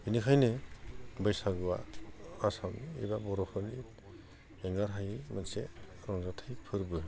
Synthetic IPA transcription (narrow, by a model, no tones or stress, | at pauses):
inikʰajnɯbɯjsaɡɯwa̰ː | samḭbabɔɾɔpʰɔɾni | eŋaɾɦajmanse | ɾɔŋzatʰajpʰɯɾbɯ